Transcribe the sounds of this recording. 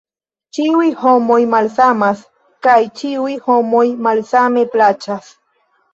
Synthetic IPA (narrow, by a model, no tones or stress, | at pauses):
t͡ʃiwihomojmalsamas | kajt͡ʃiwihomojmalsameplat͡ʃas